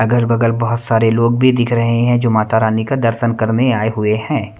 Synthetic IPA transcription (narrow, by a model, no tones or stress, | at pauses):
ɐɡəɾbɐɡəlbɐɦʊt̪saːɾeloːɡ̚bʱid̪ɪkʰɾɐɦeɦɛ̃d͡ʒoːmaːt̪aɾaːnikad̪ɐɾʃənkɐɾneaːeɦʊeɦɛ̃ː